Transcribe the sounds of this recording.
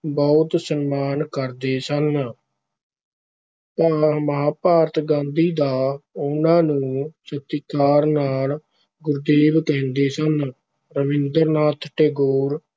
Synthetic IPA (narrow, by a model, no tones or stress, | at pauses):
bɔːt̪sənmaːnkəɾd̪eːsən | p̪aːməɦaːpaːɾt̪ɡãːnd̪iːd̪aːʊnãːnũːsət̪ːikaːɾnaːl | ɡʊɾd̪eːʋkɛ̃ːnd̪eːsən | ɾəʋɪ̃nd̪əɾnaːt̪ʰʈeːɡoːɾ